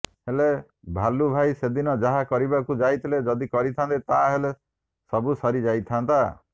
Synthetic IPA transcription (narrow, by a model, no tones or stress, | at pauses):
hele | bʱalubʱajsed̪inɔd͡ʒaɦakɔɾibakud͡ʒajt̪ʰiled͡ʒɔd̪ikɔɾit̪ʰant̪it̪aɦele | sɔbusɔɾid͡ʒajt̪ʰant̪a